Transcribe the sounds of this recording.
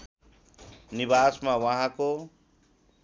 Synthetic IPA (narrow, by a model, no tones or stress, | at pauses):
nibasmawʌɦãko